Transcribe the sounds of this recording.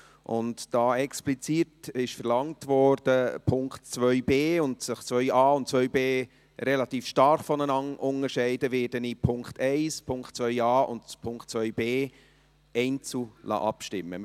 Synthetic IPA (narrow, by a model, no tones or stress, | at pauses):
ʔʊ̰ntd̥ɑːɛksplit͡sitɪʃfəɾlɑŋtʋɔɾd̥əpʰʊŋktt͡sʋœʏbeːʊndsəχt͡svœʏɑːʊnt̚t͡sʋœʏbeː | ɾɛlɑtiːfʃtɑɾχfɔnənɑnʔʊŋəɾʃɛɪdəʋɪːdənipʰʊŋktɛɪspʰʊŋktt͡svœʏɑːʊ̰ntpʰʊŋkt̚t͡sʋœʏbeː | ɛɪnt͡sulɑ̰ʔɑpʃtɪmːə̰